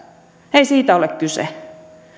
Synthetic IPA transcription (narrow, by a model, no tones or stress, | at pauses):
eisiːt̪æolekkysḛ